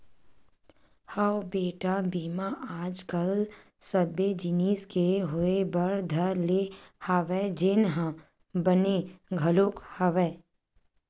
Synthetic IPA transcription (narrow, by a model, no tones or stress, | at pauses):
həobeːʈabiːmaʔaːd͡ʒkəl | səbed͡ʒɪniːskeɦoebəɾd̪ʱəɾlehəʋɛd͡ʒɪnɦã | bəneɡʱɐloːkhəʋɛː